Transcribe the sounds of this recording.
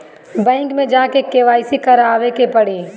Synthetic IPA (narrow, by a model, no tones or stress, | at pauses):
bɛ̃ːŋkmẽd͡ʒaːkekeːʋaːɪsikɐɾaːʋekepɐɽiː